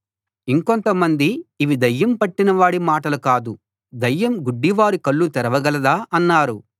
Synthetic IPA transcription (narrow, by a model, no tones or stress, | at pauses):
iŋko̞nt̪ɐmɐnd̪iːʋid̪ɐjːɐmpɐʈːinɐʋaːɽimaːʈɐlukaːd̪u | d̪ɐjːɐmɡuɖːiʋaːɾikɐɭːut̪ɛɾɐʋɐɡɐlɐd̪aːʔɐnːaːɾu